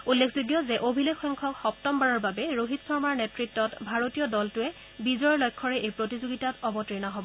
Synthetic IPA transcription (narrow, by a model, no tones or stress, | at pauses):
ulːekʰzuɡjɔzɛʔobʱilekʰːɔŋkʰɔkxɔp̚tɔmbaɹɔɹbabɛɹoɦitsɔɹmaɹnetɹitːɔtbʱaɹotijɔdɔltʊɛ | bizɔjɔlɔjkʰːɔɹɛʔejpɹotizoɡitatɔbɔtɹinaɦɔbɔ